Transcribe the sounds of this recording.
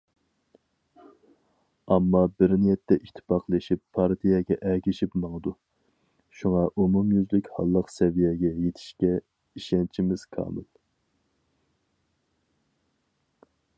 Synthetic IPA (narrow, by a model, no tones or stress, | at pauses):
ɑmːɑbɪɾnijɛt̪ʰːɛʔit̪ʰːɪ̥pɑqlˠeʃipʰːɑɾt̪ʰijɛɡʲɛʔɛɡʲiʃipmɑŋəd̪u | ʃuŋɑʔumumjyzlɪkʲhɑ̰lˠːəqsɛvijɛɡʲɛjet̪ʰɪ̥ʃkʲɛ | iʃɛnt͡ʃʰimɪz̥kʰɑ̰ːmɨl